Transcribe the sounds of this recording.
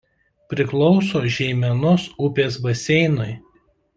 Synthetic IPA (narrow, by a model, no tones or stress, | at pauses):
pʲɾʲɪklˠɔʊsoːʒʲɛɪmʲɛnʊsʊpʲeːsbɐsʲɛɪnʊj